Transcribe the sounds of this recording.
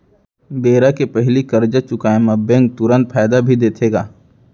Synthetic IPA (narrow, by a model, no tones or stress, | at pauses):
beːɾakepɛɦlikɐɾd͡ʒat͡ʃʊkaːẽmɐbẽŋɡ̚t̪ʊɾə̃nt̪̚pʰɛːjd̪abʱid̪eːt̪ʰeːɡaː